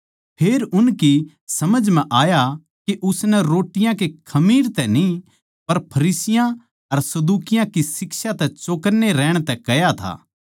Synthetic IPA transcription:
pʰeːɾʊnki | sɐməd͡ʒmɛ̃ʔaːja | keʔʊsnɛɾoːʈɪjãkekʰɐmiːɾt̪ɛni | pɐɾpʰɐɾiːsɪjã | ɐɾsɐd̪uːkɪjãkisɪkʃat̪ɛt͡ʃoːkəɾneɾɛːɽ̃t̪ɛkɐjat̪ʰa̰ː

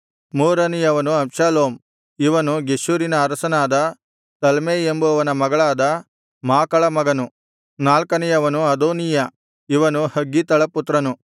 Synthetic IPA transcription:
muːɾɐnijɐʋɐnuɐmʃaːloːm | iʋɐnuɡeʃuːɾinɐːɾɐsɐnaːd̪ɐ | t̪ɐlmeːembuɐʋɐnɐmɐɡɐɭaːd̪ɐ | maːkɐɭɐmɐɡɐnu | naːlkɐnijɐʋɐnuɐd̪oːnijɐ | iʋɐnuhɐɡːit̪ɐɭɐput̪ɾɐnu

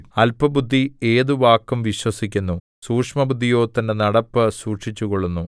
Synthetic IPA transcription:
ɐlpɐbud̪ʱːie̞ːðuʋaːkːumʋiɕwɐsikʲːunːu | suːkʂmɐbud̪ʱːijo̞ːt̪ːɐndenɐɽɐpːɨsuːʈʂit͡ɕːuɣoɭːunːu

